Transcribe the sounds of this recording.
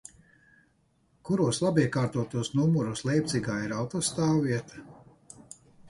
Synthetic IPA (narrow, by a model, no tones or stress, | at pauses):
kuɾuɔslˠabiɛkaːɾt̪uɔt̪uɔsnumuɾuslˠɛjp̚t̪siɡaːiɾawt̪ɔːst̪aːwːiɛt̪ḁ